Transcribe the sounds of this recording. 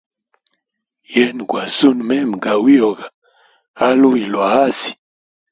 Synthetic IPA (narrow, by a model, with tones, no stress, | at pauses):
jɛ˦n˨kwa˨su˦nmɛ˦m˨ɡa˨wi˦o˨ɡa˨ | a˦lu˦i˨lwa˨a˦si̥˨